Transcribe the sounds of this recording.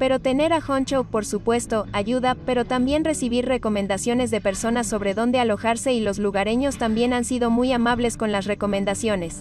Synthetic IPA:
pe̞ɾo̞t̪e̞ne̞ɾaxont͡ʃopo̞ɾsupwe̞st̪o̞aʝuðape̞ɾo̞t̪ambje̞nre̞siβiɾre̞ko̞mẽ̞nd̪asjo̞ne̞zðe̞pe̞ɾso̞naso̞βɾe̞ðo̞nd̪e̞alo̞xaɾse̞ilo̞zluɣaɾeɲo̞st̪ambjenansiðo̞mujamaβle̞sko̞nlasre̞ko̞mẽ̞nd̪asjo̞ne̞s

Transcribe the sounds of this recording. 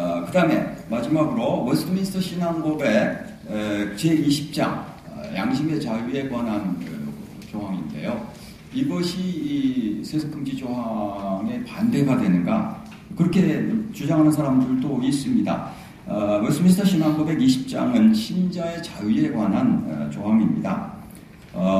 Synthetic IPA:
kɯdame̞̰mad͡ʑimaɡɯɾowʌɭs͈ʰɯminsʰɯ̥tʰʌɕʰinaŋbʌbe̞ | t͡ɕeiɕʰi̥p̚t͡ɕ͈a̰ŋ̰ | ja̰ŋɕ̬ʰimet͡ɕajue̞ɡwanɦanɯ | t͡ɕoɦwaŋḭnde̞̰jo | iɡʌɕʰiːsʰesʰokʰɯŋd͡ʑid͡ʑoɦaŋe̞pande̞ɡadwe̞nɯnɡa̰ | kɯɾʌkʰe̞t͡ɕud͡ʑaŋɦanɯnsʰaɾamdɯɭdois͈ɯmɲida̰ | mʌɭs͈ʰɯmins̬ʰtʰʌɕʰinaŋbobe̞ɡiɕʰi̥p̚t͡ɕ͈a̰ŋɯnɕʰimd͡ʑae̞t͡ɕajie̞kwanɦanɯ̰t͡ɕoɦaŋimɲḭda̰

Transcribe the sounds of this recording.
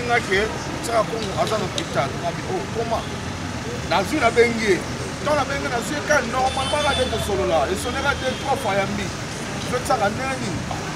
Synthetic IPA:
ŋake | ot͡ʃakakoŋɡoʔazanopitanŋabiʔokoma | nazwinabeŋɡie | taabeŋɡenazwiekanɔmabakadekosololaesonekatetofajambi | dotakanɛni

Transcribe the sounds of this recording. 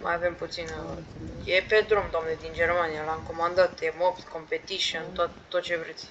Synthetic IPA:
ma̰javemput̪sinjeped̪ɾomd̪oamned̪ind͡ʒermanijalaŋkomand̪at̪emopt̪ko̞mpet̪iʃont̪oat̪ːot̪̚t͡ʃevɾet̪sʲ

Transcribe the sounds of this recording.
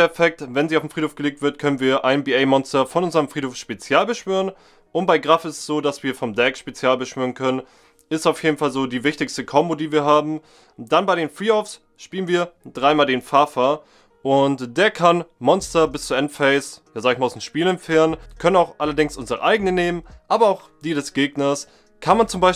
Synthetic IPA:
ɐfɛk̚tvɛnziːaʊfm̩fʁ̥iːtʰhofɡ̥əleːk̚tv̥ɪɐtkʰœnənviːɐʔaɪnbiːɛɪmɔnstɐfɔnʔʊnzəʁəmfʁ̥iːtoːfʃpet͡sjaːlbəʃv̥yːʁən | ʔʊntb̥aɪɡʁafɪstsz̥oːdasv̥iːɐfɔmdɛkʃpet͡sjaːlbəʃv̥yːʁənkʰœnən | ɪstaʊfjeːdn̩falzoːdiːvɪçtɪçstəkʰɔmbodiːviːɐɦaːbm̩ | d̥anbaɪɾeːnfʁiːɔfs | ʃpiːlənviːɐd̥ʁaɪmaːldeːnfaɐfa | ʔʊntd̥eːɐkʰanmɔnstɐbɪst͡suːʔɛntfɛɪsjaːzaːɡɪçmaaʊsdnʃpiːlɛmfɛːɐʁənkʰœnənaʊxʔalɐdɪŋsʔʊnzəʁə̰ʔaɪɡənəneːmənʔaːbɐaʊx | d̥iːdɛsɡ̥eːɡnɐs | kʰanmant͡sʊmbaɪ

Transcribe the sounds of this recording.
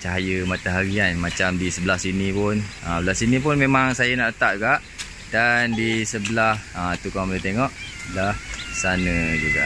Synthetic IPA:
t͡ʃaɦajəmat̪aɦaɾianmat͡ʃamdisəbəlahsinipʊnəbəlasinĩpʊnmẽmaŋsajənaʔlət̪aʔ̪uɡaʔ | dandisəbəlahət̪ukamolet̪eŋɔʔbəlahsanə̃d͡ʒuɡa̰ʔ

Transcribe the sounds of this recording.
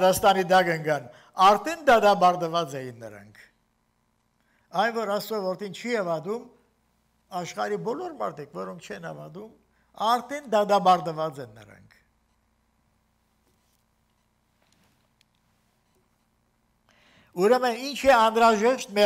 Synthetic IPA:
ɾɑst̪ɑnid̪ɑɡəŋɡɑn | ɑɾt̪ʰɛnd̪ɑd̪ɑbɑɾd̪əvɑt͡sɛjinːə̰ɾɑ̰ŋkʰ | ɑjnvɔɾɑsɔvɔɾt̪ʰint͡ʃʰiɑvɑd̪um | ɑʃχɑɾibɔlɔɾmɑ̰ɾt̪ʰikvɔɾɔŋkʰt͡ʃʰɛnɑ̰vɑ̰d̪um | ɑɾt̪ʰɛnd̪ɑd̪ɑbɑɾd̪əvɑt͡sɛnːə̰ɾɑ̰ŋkʰ | uɾɛməint͡ʃʰɛɑnɾɑʒɛʃt̪mɛ

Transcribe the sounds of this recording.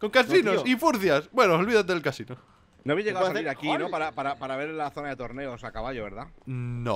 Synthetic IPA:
koŋkas̬inosifuɾθjasbwenoːlβiðat̪eelkasino | noaβijzʝeawasaiɾakinopaɾapaɾapaɾaβeɾlaθo̞naðe̞t̪oɾne̞osakaβaʎoβe̞ɾðano̰

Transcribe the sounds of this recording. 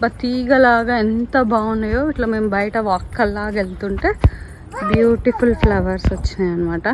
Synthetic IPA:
bɐt̪iːɡɐlaːɡaːent̪ɐbʱaːʋunɐjoːiʈlaɐːmeːmbɐjɐʈɐʋaːkːɐlːaːɡelut̪uɳʈe̞ː | bjuːʈipʰulplɐʋɐɾsʋɐt͡ʃːind̪ɐnːɐmaːʈɐ

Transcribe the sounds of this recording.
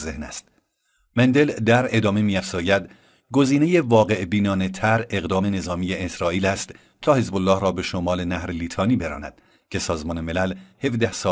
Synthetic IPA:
zehnæ̰st̪̚ | mend̪e̞ld̪æɾe̞d̪ɒːme̞miːæfz̥ɒːjæd̪ | ɡoziːne̞je̞vɒːɣe̞ʔbiːnɒːne̞t̪ʰæɾe̞ɣd̪ɒːme̞ne̞zɒːmiːjeːsɾɒːiːlæst̪ | t̪ʰɒːhe̞zbolːɒːhɾɒːbe̞ʃomɒːle̞næhɾeliːt̪ʰɒːniːbe̞ɾɒ̰ːnæ̰d̪̥ | cʰe̞sɒːzmɒːneme̞lælhe̞vd̪æhsɒː

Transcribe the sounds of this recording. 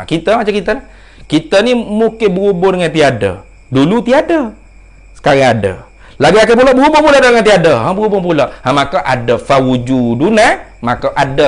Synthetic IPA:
kit̪əmat͡ʃamkit̪əlah | kit̪ənimukɪnbəɣubʊdəŋant̪iadə̰ | dulut̪iadə | sə̥kaɣaŋadə̰ | laɡiakəp̬uloʔbəɣubopuloʔdədəŋant̪iadəɦabəɣubʊnpuloʔhamakaʔadəfawud͡ʒuduna | makəʔadə

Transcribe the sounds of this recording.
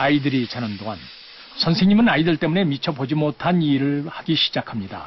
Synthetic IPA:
aidɯɾit͡ɕanɯndoŋɦan | sʰʌnsʰeŋɲimɯnaidɯɭt͈e̞mune̞mit͡ɕʰʌbod͡ʑimotʰaniɾɯɭhaɡiɕʰi̥d͡ʑakʰamɲida̰

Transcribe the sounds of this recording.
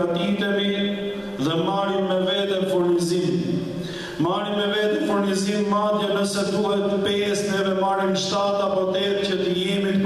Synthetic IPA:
ət̪it̪ɛmi | ðɛmaɾimɛvɛd̪ɛfuɾnizim | maɾimɛvɛt̪ɛfuɾnizimːaːt̪jɛbəsɛd̪uɦɛt̪əpɛsnɛvɛmaɾinʃt̪aːt̪apɔt̪ɛɾcət̪əjɛmit̪p

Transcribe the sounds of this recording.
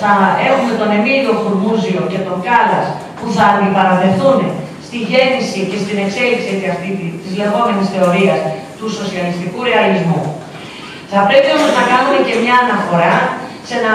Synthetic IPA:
θɐe̞xume̞t̪o̞ne̞miðio̞fuɾmuzio̞ce̞t̪o̞ŋɡɐlɐs | puθɐːnd̪ipɐɾoðe̞θunst̪iʝe̞nisice̞st̪ine̞kse̞liksiet̪iɐft̪it̪izle̞ɣo̞me̞nisθe̞o̞ɾiɐs | t̪uso̞siɐlist̪ikuɾe̞ɐlizmu | θɐpɾe̞pio̞moznɐkɐnume̞ce̞mɲɐːnɐfo̞ɾɐ | se̞nɐ

